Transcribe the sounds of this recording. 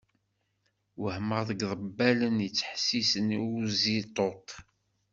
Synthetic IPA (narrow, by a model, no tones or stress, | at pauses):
wəhməʁðəɡðˤəbːælənjət͡sːħsisəniuzit̪ˤot̪